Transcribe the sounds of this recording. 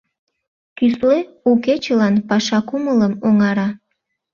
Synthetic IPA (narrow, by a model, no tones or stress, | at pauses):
kysle | uket͡ɕəlɑnpɑʃɑkumələmoŋɑɾɑ